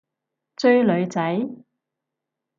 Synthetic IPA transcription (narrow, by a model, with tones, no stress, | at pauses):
t͡sɵ˥˧ɥlɵ˨˧ɥt͡sɐ˨˥j